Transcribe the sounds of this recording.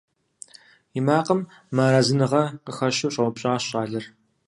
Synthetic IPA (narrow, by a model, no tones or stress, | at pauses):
ɪmaːqəmː | aːɾazɨnɨʁɐqəxɐʃuwɕʼɐwpʼɕʼɑːɕʼɑːɮɐr